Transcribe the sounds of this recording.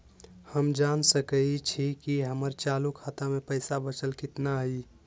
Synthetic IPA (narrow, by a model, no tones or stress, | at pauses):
həmd͡ʒaːnsəkəit͡ʃʰikiɦəməɾt͡ʃaːlukʰaːt̪amẽpəɪsabət͡ʃəlkɪt̪naɦi